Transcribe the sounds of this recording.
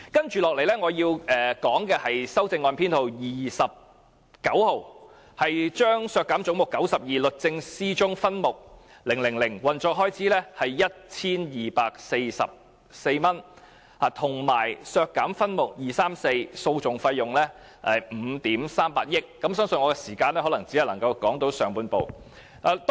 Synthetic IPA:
kɐ˥nt͡ʃyː˨lɔː˨k̚le˨˩jlɛː˥ŋɔː˨˧jiː˧wʔɛː˨kɔː˨˥ŋkɛː˧hɐ˨jsɐ˥wt͡sɪ˧ŋːɔː˧npʰiː˥nt̪ʰo˨wjiː˨˩sɐ˨p̚ | kɐ˨˥who˨w | hɐ˨jt͡ʃœː˥ŋsœː˧kːaː˨˥mt͡sʊ˨˥ŋmʊ˨kːɐ˨˥wsɐ˨p̚jiː˨lɵ˨t̚t͡sɪ˧ŋsiː˥t͡ʃʊ˥ŋfɐ˥nmʊ˨˩k̚ | lɪ˨˩ŋlɪ˨˩ŋlɪ˨˩ŋwɐ˨nt͡sɔː˧k̚ɦɔː˥jt͡sʰiː˨˥lɛː˥hɐ˨jjɐ˥t̚t͡sʰiː˥njiː˨paː˧k̚se˧jsɐ̰˨p̚ | se˧jmɐ˥n | haː˨˩t̪ʰʊ˨˩ŋmaː˨˩jsœː˧kːaː˨˥mfɐ˥nmʊ˨˩k̚jiː˨˩saː˥mse˧jso˧wt͡sʊ˨ŋfɐ˧jːʊ˨ŋlɛː˥ | ɐ˨jm̩ː˨˧˦t̪iː˨˥msaː˥mpa̰ː˧k̚jɪ˥kːɐ˨˥msœː˥ŋsɵ˨˧nŋɔː˨˧kɛː˧siː˨˩kaː˧nlɛː˥hɔ˨˥lɐ˨˩ŋt͡si˨˥hlɐ˨˩ŋkɐ˧wkɔː˨˥ŋt̪o˨˥wsœː˨˩ŋpuː˧npo˨w | aː˨˧t̪

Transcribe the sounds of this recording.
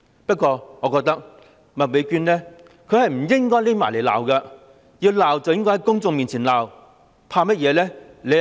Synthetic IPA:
pɐ˥t̚kʷɔː˧ŋɔː˨˧kɔː˧k̚t̪ɐ˥k̚ | mɐ˨t̚me˨˧jkyː˧nlɛː˥ | kʰɵ˧hɐ˨jm̩˨˩jɪ˥ŋkɔː˥jle˥jmaː˨˩jle˨˩jla̰ː˨wkɐ˧ | jiː˧wlaː˨˩wt͡sɐ˨wjɪ˥ŋkɔː˥hɐ˨˦jkʊ˥ŋt͡sʊ˧ŋmiː˨nt͡sʰiː˨˩nlaː˨w | pʰaː˧mɐ˥t̚jɛː˨˧lɛː˥ | le˨˧

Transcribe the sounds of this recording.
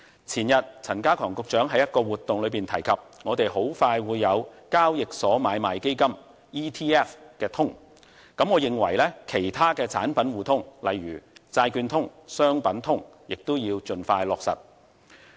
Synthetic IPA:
t͡sʰiː˨˩njɐ˨t̚t͡sʰɐ˨˩nkaː˥kʰɔː˨˩ŋkʊ˨k̚t͡ʃœː˨˥ŋɦɐ˨˥jɐ˥t̚kɔː˧wuː˨˩t̪ːʊ˨ŋlɵ˨˧ɥpiː˨nt̪ʰɐ˨˩jkʰɐ˨p̚ŋɔː˨˧t̪e˨jɦo˨˥wfaː˧jwuː˨˧jːɐ˨˧wkaː˥wjɪ˨k̚sɔː˨˥maː˨˧jmaː˨jke˥jkɐ˥m | iː˥t̪ʰiː˥ɛː˥fkɛː˧t̪ʰʊ˥ŋ | kɐ˨˥mŋɔː˨˧jɪ˨ŋwɐ˨˩jlɛː˥kʰe˨˩jt̪ʰaː˥kɛː˧t͡sʰa̰ː˨˥npɐ˨˥nwuː˨˩t̪ʰʊ˥ŋlɐ˨jɥyː˨˩t͡saː˧jkyː˧nt̪ʰʊ˥ŋsœː˥ŋpɐ˨˥nt̪ʰʊ˥ŋ | jɪ˨k̚t̪o˥wjiː˧wt͡ʃɵ˧nfaː˧jlɔː˨k̚sɐ̰˨˩t̚

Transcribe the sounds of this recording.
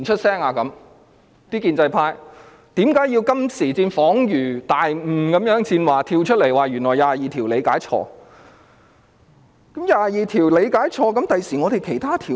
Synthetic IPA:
t͡ʃʰɵ˥t̚sɛː˥ŋaː˨˧kɐ˨˥m | t̪iː˥kiː˧nt͡sɐ˧jpʰaː˧j | t̪iː˨˥mkaː˨˥ji˧wkɐ˥msiː˨˩t͡siː˧nfɔː˨˥ŋjyː˨˩t̪aː˨jm̩˨˩kɐ˨˥mjœː˨˥ŋt͡siː˧nwaː˨˩t̪ʰiː˧wt͡ʃʰɵ˥t̚le˨˩jwaː˨jɥyː˨˩nlɔː˨˩jaː˨˧jiː˨˩t̪ʰiː˨˩wle˨˧jkaː˨˥jt͡ʃʰɔ̰ː˧ | kɐ˨˥mjaː˨˧jiː˨t̪ʰiː˨˩wle˨˧jkaː˨˥jt͡ʃʰɔː˧kɐ˨˥mt̪ɐ˨jsiː˨˩ŋɔ˨˧t̪e˨jkʰe˨˩jt̪ʰaː˥t̪ʰiː˨˩

